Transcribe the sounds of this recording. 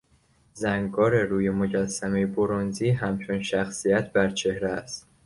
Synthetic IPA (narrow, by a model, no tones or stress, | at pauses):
zæŋɡɒːɾe̞ɾuːjemo̞ɟæsːæmejeboɾonziːɦæmt͡ʃʰo̞nʃæxsijæt̪ʰbæɾt͡ʃʰe̞hɾææst̪